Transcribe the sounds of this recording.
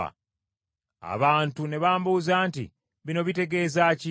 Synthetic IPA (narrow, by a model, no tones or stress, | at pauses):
a̰ | a̰βaːntune̞βaːmbuzaːntḭ | βino̞βite̞ɡe̞ːzaːci